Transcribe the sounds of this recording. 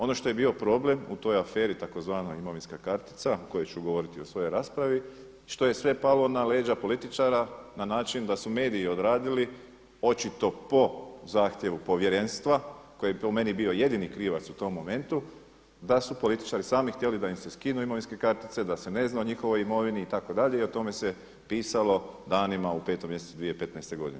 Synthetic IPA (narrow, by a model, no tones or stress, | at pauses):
o̞no̞ʃt̪o̞je̞biːo̞pɾo̞ble̞mṵt̪o̞jafe̞ːɾit̪ako̞zʋaːnoimo̞ʋinskakaɾt̪i̥t̪saoko̞jot͡ɕuɡo̞ʋo̞ɾit̪io̞sʋo̞jo̞jɾaːspɾaʋi | ʃt̪o̞je̞sʋe̞palo̞nale̞ːd͡ʒapolit̪it͡ʃaɾananaːt͡ʃind̪asume̞ːd̪iːo̞d̪ɾaːd̪ili | o̞t͡ʃit̪o̞po̞zaːxt̪je̞ʋupo̞ʋje̞ɾe̞nst̪ʋako̞jepome̞nibio̞je̞d̪inikɾiːʋat̪sut̪o̞mːo̞me̞nt̪u | d̪asupo̞lit̪i̥t͡ʃaːɾisaːmixt̪jelid̪aimse̞skinuimo̞ʋinske̞kaɾt̪it̪se̞d̪ase̞ne̞znaoɲixo̞ʋo̞jimo̞ʋiniːt̪ako̞d̪aʎe̞io̞t̪o̞me̞se | piːsalo̞d̪aːnimaupe̞ːt̪o̞mjesesud̪ʋijepe̞t̪nɛjst̪e̞ɡo̞d̪ine